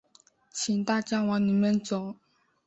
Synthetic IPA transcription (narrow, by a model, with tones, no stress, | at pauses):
t͡ɕʰi˨˩ŋt̪a˥˩t͡ɕja˥˧wɑ˧˥ŋni˨˩mə˥˨nt͡so˨˩˦